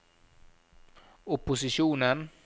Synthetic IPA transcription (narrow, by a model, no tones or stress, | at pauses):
ɔpʊsɪʂuːnən